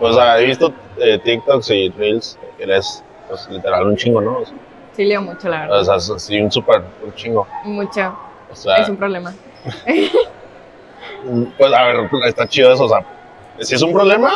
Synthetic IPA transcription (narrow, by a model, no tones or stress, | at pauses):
pwesoseaeβist̪oet̪ik̚t̪oksirilsekeles | pweslit̪e̞ɾalunt͡ʃiŋɡo̞no̞ːse | sileomut͡ʃolaβeɾðoseassiunsupeɾuɾt͡ʃiŋɡo̞mut͡ʃo | oseaes̬umpɾoβlema | pwe̞saβeɾest̪at͡ʃiðoe̞s̬oːsea | sie̞s̬umpɾo̞βle̞ma